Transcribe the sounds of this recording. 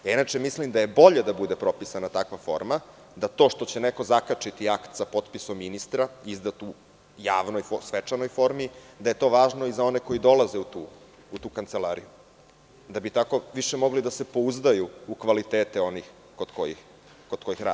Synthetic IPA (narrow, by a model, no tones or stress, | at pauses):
ainat͡ʂemislimd̪aje̞bo̞ʎed̪abud̪epɾo̞pisanat̪akʋafo̞̰ɾma | d̪at̪o̞ːʃt̪o̞t͡ɕeneko̞zakat͡ʃit̪iakt̪sapo̞t̪pisomːinist̪ɾaizd̪at̪u | ja̰ːʋnojfosʋet͡ʃano̞jfo̞ɾmid̪aje̞t̪o̞ʋaːʒno̞izao̞neko̞jid̪o̞laze̞ut̪uː | ut̪uːkant̪selˠaːɾḭju | d̪abit̪ako̞ʋiʃemo̞ɡlid̪ase̞po̞uzd̪ajuukʋalit̪eːt̪eo̞nix | kod̪ko̰jḭx | kod̪̥̚ko̞jixɾa̰d̪i